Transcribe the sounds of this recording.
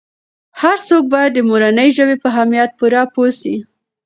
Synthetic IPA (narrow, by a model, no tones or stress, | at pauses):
haɾsok̚bɑjad̪ːəmoɾanəjʒəbepəɦamijat̪̚puɾɑposi